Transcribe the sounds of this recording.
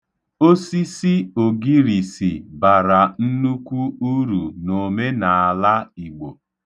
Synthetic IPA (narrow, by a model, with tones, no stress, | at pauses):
o˦si˦si˦o˨ɡi˦ɾi˨si˨ba˨ɾa˨n̩˦nu˦kʷu˦u˦ɾu˨no˨me˦na˨a˨la˦i˨ɡ͡bo˨